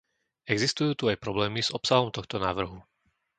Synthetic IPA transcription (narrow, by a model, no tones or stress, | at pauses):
ɛɡzist̪ujuːt̪uajpɾɔblɛːmiz̥ɔpsaɦɔmt̪ɔxt̪ɔnaːʋr̩ɦu